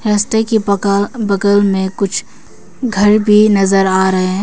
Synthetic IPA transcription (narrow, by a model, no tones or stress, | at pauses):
hɛːst̪ekibɐkəlmẽkʊt͡ʃʰ | ɡʱɐɾbʱinɐzəɾaːɾɐɦeɛ̃